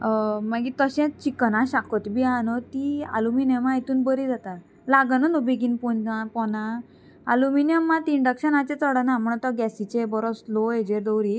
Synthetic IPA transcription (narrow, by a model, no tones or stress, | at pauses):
maɡit̪əɕɛ̃t͡ɕikənãɕakʰɔt̪bianot̪ia̰luminjəmajt̪uːnbəɾid͡zat̪a | laɡənənubeɡinpɔapɔna | a̰luminijəmːat̪iiɳɖəkɕənat͡ɕẽt͡səɽənam̤əɳ̃t̪ɔɡɛsit͡ɕebɔɾɔsloed͡ʑeɾd̪ɔwɾi